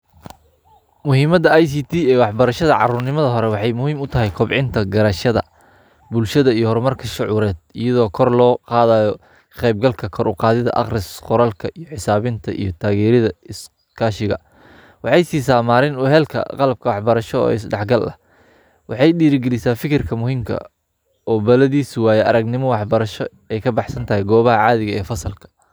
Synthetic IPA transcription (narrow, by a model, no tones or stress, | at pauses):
mʊɦiːmɐd̪ɐajsiːt̪ʰiːɛːwɑħbɐɾɐʃɐðɐʕɑ̰ruːrnɪmɐðɐɦɔɾɛwɑħɑjmʊhiːmʊt̪ʰɐɦɛjkʰɔbʕɪnt̪ʰɐɡɐɾɐʃɐðɐ̰ | bʊlʃɐðɐijɔhɔɾmɐrkʰɐʃʊʕuːɾɛːd̪ɪjɐðɔːkʰɔrlɔːqɑːðaːjɔ | qɛjb̚ɡɐlkʰɐkʰɔɾʔʊ̰qɑːðɪðɐ̰ʔɑ̰qrɪsqʊɾɐlkʰɐʔijɔħɪsaːβɪnt̪ʰɐʔḭjɞt̪ʰaːɣɛːɾɪðɐɪs | kʰaːʃɪɣɐ̰ | wɑħɑjsiːsaːmaːɾɪnʊɦɛːlkʰɐ̰qɑlɐb̚kʰɐwɑħbɐɾɐʃɔɔ̰ːɪsɖɑħɡɐlɐ̰ | wɑħɑjɗiːɾɪɡɛlɪsaːfɪkʰɪrkʰɐmʊhiːmkʰɐ̰ | ɔːbɐlɐðiːswaːjɛʔɐɾɐɡnɪmɔwɑħbɐɾɐʃɔ | ɛjkʰɐbɑħsɐnt̪ʰɐɦɛjɡɔːβɐɦɐʕɑːðɪɣɐɛːfɐsɐlkʰɐ̥